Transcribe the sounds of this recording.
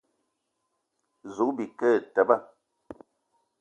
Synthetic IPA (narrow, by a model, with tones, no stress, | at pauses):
zu˨kbi˨kə˦˨tɛ˨ba˦˨